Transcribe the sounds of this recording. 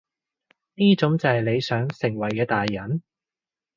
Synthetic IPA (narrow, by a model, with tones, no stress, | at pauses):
niː˥t͡sʊ˨˥ŋt͡sɐ˨hɐ˨jle˨˧jsœː˨˥ŋsɪ˨˩ŋwɐ˨˩jkɛː˧t̪aː˨jːɐ˨˥n